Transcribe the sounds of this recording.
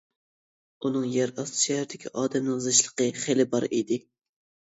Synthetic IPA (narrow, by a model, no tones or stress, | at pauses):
unɨŋjæɾɑst̪ʰɨ̥ʃɛhæɾd̪ɪkʲʰiʔɑːd̪ɛmnɨŋzɨʃlˠə̥qəχelɪbɑɾid̪ɪ